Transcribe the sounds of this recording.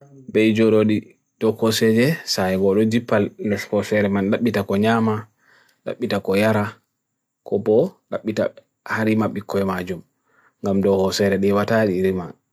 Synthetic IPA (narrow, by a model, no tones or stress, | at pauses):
bɛjd͡ʒɔɾoɗi | d̥ɔkɔsɛd͡ʒɛsajɛɡɔɗɔd͡ʒipːalndɛshɔsɛɾɛmanɗaɓːitakɔɲama | ɗa̰ɓːitakɔjaɾa | kʰɔbɔɗaɓːita̰ | haɾimaɓːikʰːɔɛmad͡ʒum | ŋɡamdɔhɔsɛɾɛɗɛwataɗiɾima